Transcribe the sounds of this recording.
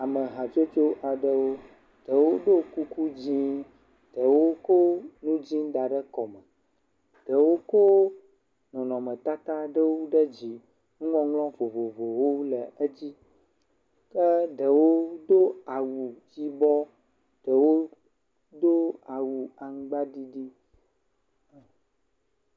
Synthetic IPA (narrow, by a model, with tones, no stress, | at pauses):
a˨mə˨ɦã˨t͡ʃo˦t͡ʃo˦ʔa˨ɖə˦wo˦ | ɖ̪̥ə˨wo˦ɖo˦ku˦ku˦d͡ʑĩ˦ | ɖ̪̥ə˨wo˦ko˦nũ˦d͡ʑĩ˦d̪a˨ɖə˦kɔ˨mə˨ | ɖ̪̥ə˨wo˦ko˦ | nɔ̃˨nɔ̃˨mə̃˨t̪a˦t̪a˦ɖə˦wu˦ɖə˦d͡ʑi˨ | ŋũ˦ŋɔ̃˦ŋlɔ̃˦vo˨vo˨vo˨wo˦lə˨ə˦d͡ʑi˦ | kə˦ɖə˨wo˦d̪o˦a˨wu˨d͡ʑi˦bɔ˦ | ɖ̥ə˨wo˦ | d̪o˦a˨wu˨a˨ŋũ˦ɡ͡ba˦ɖi˦ɖi˦